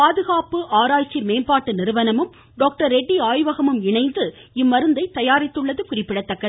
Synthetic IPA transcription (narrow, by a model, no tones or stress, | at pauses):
paːðɯɣaːpɯʔaːɾaːjt͡ʃːimeːnpaːʈːɯnɪɾɯʋɐnɐmɯm | ɖoːk̚ʈɐɾɛɖːiaːjʋɐɣɐmɯmɪɳɐɪnd̪ɯɪmːɐɾɯnd̪ɐɪt̪ɐjaːɾɪt̪ːɯɭːɐðɯkʊrɪpːɪɽɐt̪ːɐkːɐðɯ